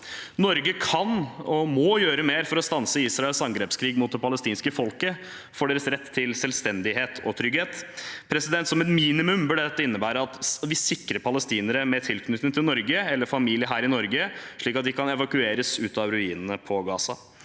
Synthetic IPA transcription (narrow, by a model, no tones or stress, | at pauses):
nɔɾɡəkʰɑnɔmɔjøːɾəmeːɾfɔɾɔst̪ɑnsəiːsɾɑɛlsɑŋɡɾeːpskʰɾiːɡmuːt̪̚d̪ɛpʰɑləst̪iːnskəfɔlkə | foːɖeːɾəsɾɛt̪ʰːɪlsɛlst̪ɛnd̪ɪɦeːt̪ʰɔ̰t̪ʰɾʏɡheːt̪pʰɾɛsɪd̪ɛnt̪sɔmɛt̪miːnɪmʉmbɪld̪ɛt̪ːəɪnːəbæːɾəɑt̪ʋɪsɪkːɾəɾpʰɑləst̪iːnəɾəmɛt̪ʰɪlkʰnʏt̪nɪŋt̪ʰɪlnɔɾɡəɛlːəɾfɑmiːlɪəɦæːɾɪnɔɾɡəʂɭiːkɑt̪d̪ɪkʰɑnɛʋɑkʉeːɾəsʉːt̪ɑʋɾʉiːnən̩əpʰɔɡɑːsɑ